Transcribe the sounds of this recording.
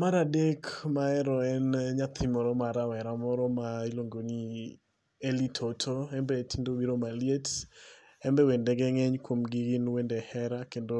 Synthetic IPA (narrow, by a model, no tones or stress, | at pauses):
maɾadekmaɛɾɔɛnɲat̪ʰimɔɾɔmaɾawɛɾamɔɾɔmailoŋɡoni | elitʰotʰoɛmbɛtʰindobiɾomaliet | ɛmbɛwendɛɡɛŋɛɲkwomɡiɡinwendɛhɛɾakendo